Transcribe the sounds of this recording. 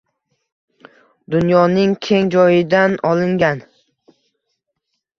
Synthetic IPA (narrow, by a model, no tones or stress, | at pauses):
d̪ʊnjɒnɪŋkʲʰe̞ŋd͡ʒɒjɪd̪anɒlɪŋɡʲan